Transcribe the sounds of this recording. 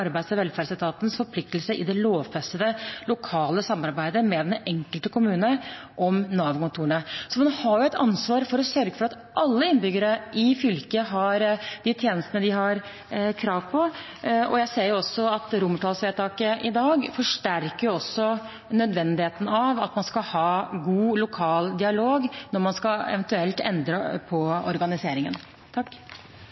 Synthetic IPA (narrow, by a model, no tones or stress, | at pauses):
ɑɾbæɪsəʋɛlfæːɾsɪt̪ʰɑːt̪ənsfɔɾpʰlɪk̚t̪əl̩səʔɪ̰d̪ɛloːʋfɛsəd̪əlʊkʰɑːləsɑmːɑɾbæɪd̪əmɛd̪ɛnɛŋkəlt̪əkʰʊmʉːnə | ʔɔmnɑːʋkʊnt̪ʰuːəɳəsɔmɛnhɑɾjʊɛt̪ɑnsʋɑːɾfɔɾɔsœɾɡəfɔɾɑt̪ | ʔɑlːəɪnbʏɡəɾəʔɪfʏlkəɦɑɾd̪̥ɪt̪ʰjeːnəst̪ənəd̪ɪɦɑɾ | kʰɾɑːʋpʰɔ | ɔ̰jæɪseːɾjʊɔsːɔɑt̪ɾʊmːəʈʰɑːlsʋeːt̪ʰɑːkəʔɪd̪ɑːɡfɔʂʈæɾkəɾjʊɔsːɔ | nœd̪ʋɛnd̪ɪheːt̪ən̩ɑʋɑt̪mɑnskɑhɑːɡuːlʊkʰɑːld̪ɪɑloːɡnɔɾmɑnskɑɛ̰ʋɛnt̪ʉɛlt̪ɛ̰nd̪ɾəpʰɔɔ̰ɾɡɑnɪseːɾɪŋən | t̪ʰɑkː